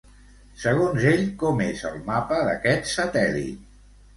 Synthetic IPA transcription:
səɣ̞onzeʎkɔmezəlˠmapəðə̰kɛt̪sət̪ɛlḭt̪

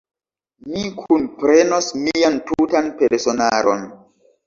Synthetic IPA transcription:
mikʰunpɾenosmijantutanpeɾsonaɾo̰n

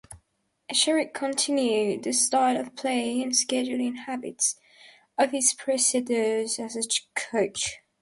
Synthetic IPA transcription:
əʃɛɹɪkʰə̃ntʰɪ̃njʉd̪̚ðəstaɪləv̥pʰl̥eɪɪ̃ŋə̃nskɛd͡ʒul̩ˠɪ̃nhabɪ̰ts | əv̥ɪz̥pʰɹ̥ɛsɪdəzəzəkʰəʊt͡ʃ

